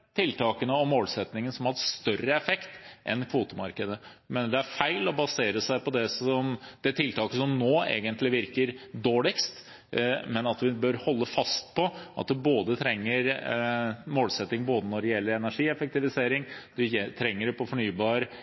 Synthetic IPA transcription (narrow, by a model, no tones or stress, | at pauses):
t̪ʰɪlt̪ʰɑːkənəɔmːoːlsɛt̪nɪŋənsɔmhɑʂt̪œrəɛfɛkt̪ʔɛ̰nkʰʋuːt̪əmɑɾkəd̪əmɛːnəɖ̪ɛæɾfæɪlɔbɑseːɾəsæɪpɔd̪ɛsɔmd̪̥ɛt̪ʰɪlt̪ʰɑːkəsɔmnoːḛːɡənt̪ʰlɪʋɪɾkəɾd̪oːɭɪkst̪ | mɛnɑt̪ʋɪbœɾhɔlːəfɑst̪̚pʰɔʔɑt̪̚d̪ɛboːd̪ət̪ʰɾɛŋːəɾ | moːlsɛt̪ːɪŋboːd̪ənɔɖɛjɛlːəɾɛnæʂiːɛfək̚t̪ɪʋɪseːɾɪŋd̪ɛjɛt̪ʰɾɛŋːəɖɛpʰɔfɔɳyːbɑːɾə